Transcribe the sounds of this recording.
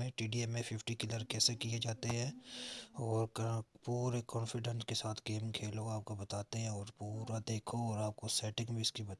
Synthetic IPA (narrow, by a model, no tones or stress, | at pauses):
ẽʈiːɖiɛmːẽfɪfʰʈikɪləɾkɛːsekied͡ʒaːt̪eɦɛ̃ː | ɔːɾpuːɾekɔ̃ːnfɪɖənskesaːt̪ʰɡeːmkʰeːloaːp̚kobɐt̪aːt̪eɦɛ̃ɔːɾpuːɾad̪eːkʰoɔːɾaːp̚kosɛːʈɪ̃ŋɡbʱiɪskibɐt̪